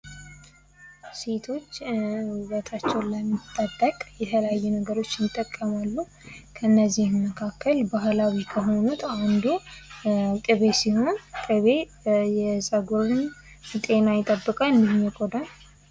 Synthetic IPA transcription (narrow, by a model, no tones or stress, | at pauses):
se̞t̪ʰo̞t͡ʃːuβət̪ʰat͡ʃːɛwnləmːit̪ʼːəd̪əkʼjɛt̪ʰələjajːunəɡəɾo̞t͡ʃːnɪt̪ʼːəkʼːəmalːu | kʰəɨnːəzːihməkʰakʰːəlbaɦlawikʰəɦo̞nut̪ʰand̪u | kʼɨβe̞siho̞nkʼɨβe | jɛsʼəɡoɾɨn | t̪ʼe̞najɪt̪ʼəbːɨkʼalɨnd̪ihmɛkʼod̪an